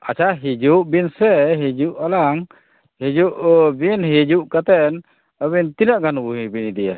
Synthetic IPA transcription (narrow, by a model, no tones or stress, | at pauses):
at͡ʃʰaɦid͡ʒuʔbinsɛɦid͡ʒuʔalaŋ | hid͡ʒuʔbinɦid͡ʒuʔkat̪ɛn | əβint̪inaʔɡanbuɦibinid̪ija